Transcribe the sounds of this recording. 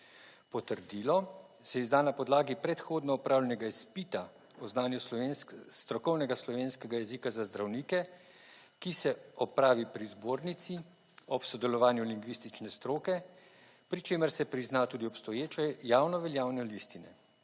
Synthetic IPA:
pɔt̪əɾd̪iːlɔ | sɛizd̪anapɔd̪laːɡipɾɛt̪xoːd̪nɔɔpɾʔaːwlʲjɛnɛɡaispit̪a | ɔznaːnjunst̪ɾɔkɔwnɛɡaslɔʋeːnskɛɡajɛzikazazd̪ɾawniːkɛ | kisɛɔpɾaːʋipɾizboːɾnit̪si | ɔpsɔd̪ɛlɔʋaːnjuliŋɡʋist̪it͡ʃnɛst̪ɾoːkɛ | pɾit͡ʃeːməɾsɛpɾiznat̪uːd̪iɔpst̪ɔjeːt͡ʃɛjaːwnɔʋɛljaːwnɛlist̪inɛ

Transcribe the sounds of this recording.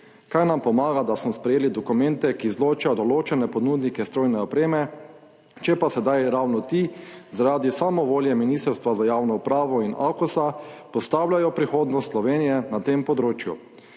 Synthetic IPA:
kajnampɔmaːɡad̪asmɔspɾɛjeːlid̪ɔkumɛnt̪ɛkizloːt͡ʃajɔd̪ɔloːt͡ʃɛnɛpɔd̪nud̪nikɛst̪ɾoːjnɛɔpɾeːmɛ | t͡ʃɛpasɛd̪ajɾaːwnɔt̪izaɾaːd̪isaːmɔʋoːljɛminist̪ɛɾst̪ʋazajaːwnɔupɾaːʋɔinʔa̰kusapɔst̪aːwlʲjajɔpɾixoːd̪nɔst̪slɔʋeːnijɛnat̪empɔd̪ɾoːt͡ʃjṵ

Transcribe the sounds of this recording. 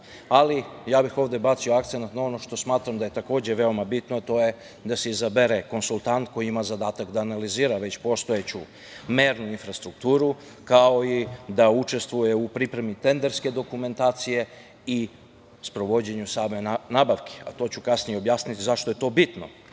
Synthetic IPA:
alijaːbixo̞ʋd̪e̞bat̪sio̞ak̚t̪senat̪nao̞no̞ʃt̪o̞smaːt̪ɾamd̪ajet̪ako̞ːd͡ʑe̞ʋe̞o̞mabit̪noat̪o̞je̞ | d̪ase̞izabeɾeko̞nsulˠt̪ant̪ko̞jiimazad̪aːt̪akd̪aːnaliziːɾaʋe̞t͡ɕpo̞st̪o̞et͡ɕu | meɾnuinfɾast̪ɾukt̪uːɾu | kao̞id̪aut͡ʃe̞st̪ʋuje̞upɾipɾe̞mit̪e̞nd̪eɾske̞d̪o̞kume̞nt̪aːt̪sije̞ | i | spɾo̞ʋo̞d͡ʑe̞ɲusaːme̞naːbaʋkʰe̥a̰t̪o̞ːt͡ɕukasnijeo̞bjaːsnit̪izaʃt̪o̞je̞t̪o̞ːbit̪no̰

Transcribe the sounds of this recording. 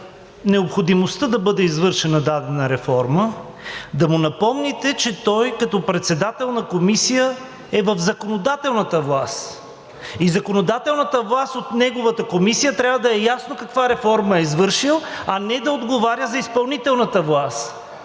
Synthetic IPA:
nɛopxod̪imost̪əd̪ɐbɤd̪ɛizvɤɾʃɛnɐd̪ad̪ɛnəɾɛfɔɾmə | d̪ɐmunɐpɔmnit̪ɛt͡ʃɛt̪ɔjkɐt̪ɔpɾɛt̪sɛd̪at̪ɛlˠnɐkomisijə | ɛvəfzɐkonod̪at̪ɛlˠnət̪əvlˠast̪ | izɐkonod̪at̪ɛlˠnət̪əvlˠast̪ot̪nɛɡovət̪əkomisijət̪ɾʲjavəd̪ɐɛjasnokɐkvaɾɛfɔɾməɛizvɤɾʃilˠɐnɛd̪ɐod̪ɡovaɾʲjəzɐispɐlˠnit̪ɛlˠnət̪əvlˠast̪

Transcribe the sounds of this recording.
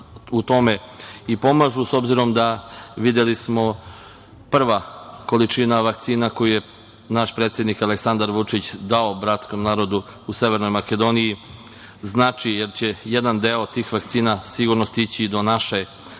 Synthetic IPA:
ut̪o̞me̞ | ipo̞maʒuso̞bziɾo̞md̪aʋid̪jelismo̞ | pr̩ʋako̞lit͡ʃinaʋakt̪siːnako̞juje̞ | naʃpɾe̞ːt̪sjed̪nikaleksand̪aɾʋut͡ʂit͡ɕd̪ao̞bɾat̪sko̞mnaːɾo̞d̪u | use̞ʋe̞ɾno̞jmake̞d̪o̞niji | znaːt͡ʃije̞ɾt͡ɕe̞je̞d̪and̪eo̞t̪iːxʋakt̪siːnasiɡuɾnost̪it͡ɕid̪o̞naʃe

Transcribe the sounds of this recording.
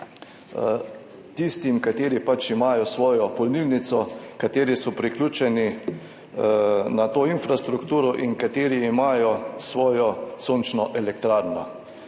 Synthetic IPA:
t̪ist̪imkat̪eːɾipat͡ʃimaːjɔsʋɔːjɔpɔlnilnit̪sɔkat̪eːɾisɔpɾiklʲuːt͡ʃɛni | nat̪oːinfɾast̪ɾukt̪uːɾɔʔiŋkat̪eːɾiːmaːjɔsʋɔːjɔsoːnt͡ʃnɔʔɛlɛkt̪ɾaːɾnɔ̰

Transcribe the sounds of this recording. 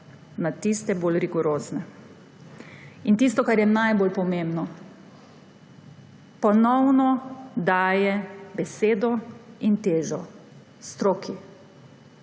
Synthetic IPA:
nat̪ist̪ɛboːlɾiɡɔɾoːznɛ | int̪is̬t̪ɔkaɾjɛnajboːlpɔmẽmbnɔ | pɔnɔwnɔd̪aːjɛbɛseːd̪ɔint̪eːʒɔ | st̪ɾoːkʰi

